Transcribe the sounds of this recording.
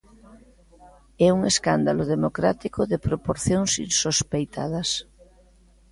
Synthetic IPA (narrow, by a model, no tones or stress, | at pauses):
ɛuŋeskand̪aloðemokɾat̪ikoðepɾopoɾθjoŋsḭnsospejt̪ʰa̰ðas